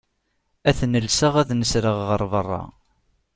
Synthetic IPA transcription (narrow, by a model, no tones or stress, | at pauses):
æθnəlsəʁæðnəsɾəʁʁəɾˤvərˤːɑ̰